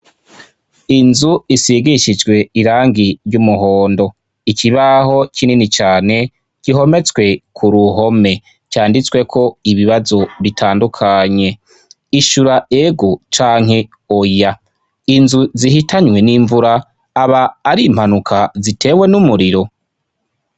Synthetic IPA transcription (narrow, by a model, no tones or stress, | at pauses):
inzuisiɡiʃid͡ʒɡwe̞iɾaːŋɡiɾɟumuɦoːndo̞ | icʰiβaho̞cininit͡ʃaːne̞ | ɟ̥iɦo̞me̞t͡swe̞kʰuɾuɦo̞me̞ | caːndit͡swe̞kʰo̞iβiβazo̞βitʰaːndukʰaɲe̞ | iʃuɾaeɡut͡ʃaːŋ̥he̞ | oja | inzuzihitʰaɲwe̞niːɱvuɾaː | βaːɾiːm̥hanukʰazitʰe̞ːwe̞numuɾiɾo̞